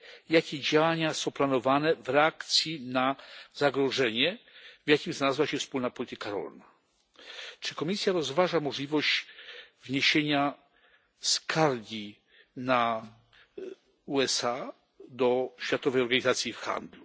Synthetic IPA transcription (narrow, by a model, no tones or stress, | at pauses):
jakʲɛd͡ʑawaɲasɔ̃w̃planɔvanɛvɾɛakt̪sʲjinazaɡɾɔʐɛɲɛvʲjakʲimzalazwaɕɛfspulnapɔlʲit̪ɘkaɾɔ̰lna | t͡ʂɘkɔmʲisʲjaɾɔzvaʐamɔʐlʲivɔɕt͡ɕvɲeɕeɲa | skʰaɾɡʲi | na | uɛsa | d̪ɔɕfʲjat̪ɔvɛjɔɾɡaɲizat̪sʲjifxa̰nd̪lu